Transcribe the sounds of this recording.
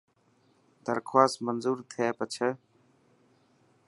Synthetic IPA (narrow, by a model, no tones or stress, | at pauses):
d̪əɾkʰwaːst̪mənzuːɾt̪ʰeːpət͡ʃʰə